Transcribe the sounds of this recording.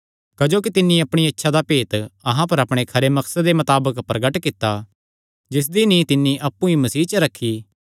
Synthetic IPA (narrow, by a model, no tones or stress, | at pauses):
kɐd͡ʒoːk̬it̪ɪnːĩɐpɽ̃iɪtːʃʰad̪apeːt̪ɐɦãpɐɾɐpɽ̃ekʰɐɾemɐksəd̪emɐt̪aːbəkpɾɐɡəʈkɪt̪ːa | d͡ʒɪs̬d̪inĩt̪ɪnːiʔɐpːũimɐsiːt͡ʃɐɾɐkʰːi